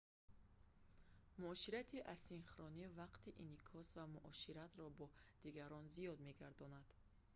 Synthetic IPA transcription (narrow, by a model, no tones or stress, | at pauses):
muɔʃiɾat̪ʰiʔassinχɾɔnivaqt̪iʔinikʰɔsvamuʔɔʃiɾat̪ɾɔbɔd̪̥iɡaɾɔnzijɔd̪me̞ɡaɾd̪ɔnad̪̥